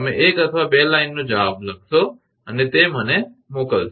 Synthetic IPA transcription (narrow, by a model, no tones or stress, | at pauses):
mẽʔeːkət̪ʰʋabeːlaːɪnːod͡ʒəʋaːbləɡ̚so | ənet̪em̤əne | moːkəls